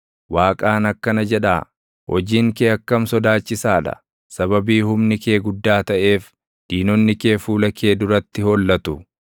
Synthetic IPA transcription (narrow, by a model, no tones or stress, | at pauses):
waːkʼaːnɐkːɐnɐd͡ʒɛᶑaː | hɔd͡ʒiːŋkeːɐkːɐmsɔd̪aːt͡ʃːɪsaːᶑɐ̰ | sɐβɐbiːhʊmnɪkeːɡʊd̪ːaːt̪ɐʔe̞ːf | d̪̥iːnɔnːɪke̞ːfuːlɐkʰe̞ːd̪ʊɾɐt̪ːɪhɔlːɐt̪ʊ